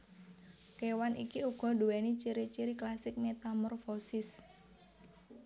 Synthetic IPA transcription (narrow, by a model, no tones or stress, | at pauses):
kewanʔḭkiuɡ̥ɔ̤ɖuwɛnit͡ʃiɾit͡ʃiɾiklasɪk̚met̪amɔrfosɪs